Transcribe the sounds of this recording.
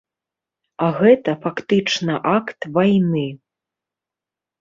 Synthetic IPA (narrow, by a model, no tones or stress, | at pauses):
aɣɛt̪ɐfakt̪ɨt͡ʂnɐʔakt̪vajnɨ